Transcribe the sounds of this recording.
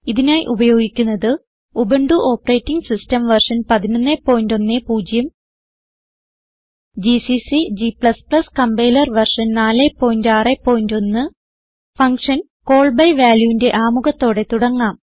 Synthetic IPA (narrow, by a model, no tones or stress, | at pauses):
iðinaːjiʔubɐjo̞ːɡikʲːunːɐðɨ | ubeɳɖuʔo̞ːpːɐre̞ːtːiŋɡsistɐmʋɐrʂɐnpɐðinonːe̞pːo̞ːjndo̞nːepuːd͡ʑjɐm | d͡ʑisisid͡ʑipɭɐsplɐskɐmbejlɐrʋɐrʂɐnnaːle̞pːo̞ːjndaːrepːo̞ːjindo̞nːɨ | fɐŋkʂɐn | ko̞ːɭbɐjʋaːljuinde̞ʔaːmuɣɐt̪ːo̞ːɽe̞t̪uɽɐŋːaːm